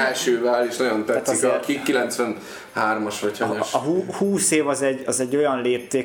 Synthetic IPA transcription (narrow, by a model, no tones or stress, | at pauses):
ɛlʃøːvɛleːʃnɒɟo̞nt̪ɛt̪ikikːilɛnt̪sʋɛn | haːrmɒʃʋɒchɒɲoʃɒɦuːhuːseːvɒzɛɟɒzɛɟːo̞jɒnleːp̚t̪eː